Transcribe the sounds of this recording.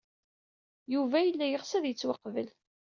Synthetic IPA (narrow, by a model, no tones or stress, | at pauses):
juvæjəlːæjəʁsæðjət͡sːwɑqːvəl